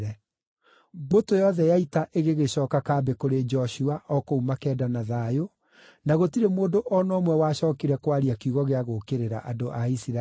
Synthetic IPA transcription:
ɾɛ | botojɔðɛjaitaʔeɣeɣeɕɔːkakaːbekoɾed͡ʒɔɕuaʔɔkoumakɛːdanaðaːjo | naɣotiɾemoːdoʔɔnɔːmwɛwaɕɔːkiɾɛkwaɾiakiuɣɔɣeaɣokeɾeɾa̰ʔadoʔaisiɾa

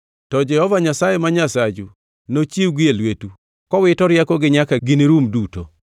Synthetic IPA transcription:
tɔd͡ʒɛhɔvaɲasajemaɲasad͡ʒu | not͡ʃiwɡɪelwetu | kɔwɪtɔɾjakɔɡɪɲakaɡiniɾumduto̰

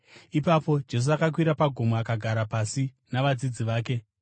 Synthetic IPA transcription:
ipapo̞d͡ʒe̞s̬uakak̬wiɾapaɡʱo̞moakaɡʱaɾapasi | naʋad͡zid͡ziʋaːke̞

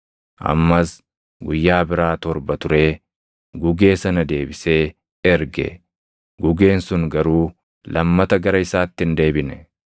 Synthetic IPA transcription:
ʔɐ̰mːɐs | ɡʊjːaːbɪɾaːt̪ɔɾbɐt̪ʊɾe̞ː | ɡʊɡe̞ːsɐnɐd̪e̞ːbɪse̞ː | ɛɾɡɛ̰ | ɡʊɡe̞ːnsʊŋɡɐɾuː | lɐmːɐt̪ɐɡɐɾɐɪsaːt̪ːɪnd̪e̞ːbɪnɛ

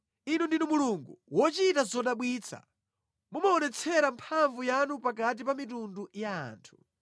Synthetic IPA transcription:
inundinumuluŋɡuwɔt͡ʃitazɔɗaɓwiːt͡sʰa̰ | mumaɔnɛt͡sʰɛɾampʰaɱvujanupakat̬ipamitunduja̰ːntʰu̥

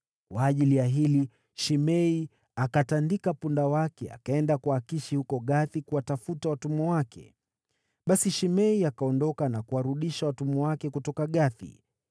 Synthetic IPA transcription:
kwaːʄilijaɦili | ʃimɛi | akatandikapundawakɛa̰kaɛndakuakiʃihukɔɠaθikuwatafutawatumɔwakɛ̰ | ɓasiʃimɛiakaɔndɔkanakuwaɾuɗiʃawatumɔwakɛkutɔkaɠaθḭ

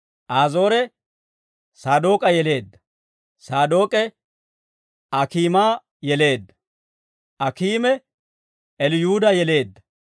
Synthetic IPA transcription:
ʔaːzo̞ːɾɛ | saːd̪o̞ːkʼɐjɛle̞ːd̪ːɐ̥ | saːd̪o̞ːkʼɛ | ɐkiːmaː | jɛle̞ːd̪ːɐ̥ | ʔɐkiːmɛ | ɛlɪjuːd̪ɐjɛle̞ːd̪ːɐ

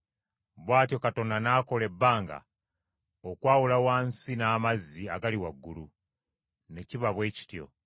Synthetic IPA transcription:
βwaːtjo̞kato̞nanaːko̞le̞bːaːŋɡa̰ | okwaːwulawaːnsinaːmazːiaɡaliwaɡːulu | ne̞ciβaβwe̞ːci̥tjo̞̰

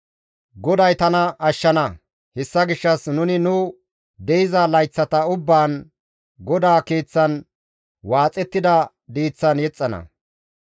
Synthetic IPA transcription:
ɡɔd̪ɐjt̪ɐnɐʔɐʃːɐnɐ | hɛsːɐɡɪʃːɐsnʊnɪnʊ | d̪ɛjɪzɐlɐjt͡sːɐt̪ɐʊbːaːn | ɡɔd̪aːkeːt͡sːɐn | waːt͡sʼːɛt̪ːɪd̪ɐ | d̪iːt͡sːɐnjɛt͡sʼːɐnɐ̰

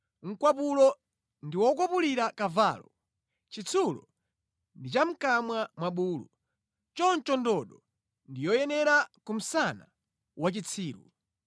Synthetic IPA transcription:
ŋ̩kwapulɔ | ndiwɔkwapuliɾakavaːlɔ | t͡ʃit͡sʰulɔ̰ | ndit͡ʃam̩kamwamwaɓuːlṵ | t͡ʃɔnt͡ʃɔndɔɗɔ | ndijɔjɛnɛɾakum̩sana̰ | wat͡ʃit͡sʰiːɾṵ

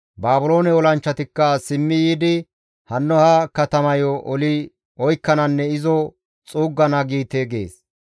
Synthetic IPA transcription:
baːbʊlo̞ːnɛɔlɐnt͡ʃːɐt̪ɪkːɐsɪmːɪjiːd̪ɪ | hɐnːɔhɐkɐt̪ɐmɐjɔʔɔlɪ | ɔjkːɐnɐnːɛɪzɔ | t͡sʼuːɡːɐnɐɡiːt̪eɡḛːs

